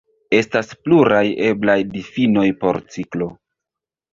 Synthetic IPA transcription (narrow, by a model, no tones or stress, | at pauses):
e̞staspluɾaje̞blajdifino̞jpoɾt͡siklo̞